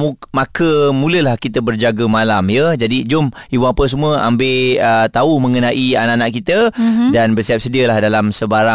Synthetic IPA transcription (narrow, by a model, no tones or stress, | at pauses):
mumakəmũləlahkit̪əbərd͡ʒaɡəmalamjəd͡ʒadid͡ʒʊmiwaapəs̬əmũəʔa̰mbeət̪aumə̃ŋənaʔianaʔanaʔkit̪ədanbərsiap̚sədiəlahdalamsəbaɾa